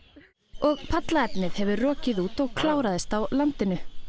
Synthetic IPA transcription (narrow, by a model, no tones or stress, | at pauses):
ɔɣpʰat̪laɛpnɪðhɛvʏrɔːcɪðuːt̪ɔɣkʰlaːwɾaðɪst̪awlant̪ɪnʏ